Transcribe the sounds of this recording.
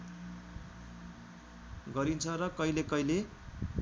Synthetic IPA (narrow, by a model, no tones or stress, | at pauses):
ɡʌɾint͡sʰʌrʌkʌilekʌjle